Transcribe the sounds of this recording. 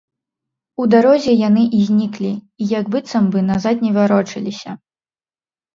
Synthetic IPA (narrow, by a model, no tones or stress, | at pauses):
ud̪aɾɔzʲɛjanɨʔizʲnʲiklʲi | ijɐɡbɨt̪sɐmbɨnazat̪ʲnʲɛvʲaɾɔt͡ʂɨlʲisʲɐ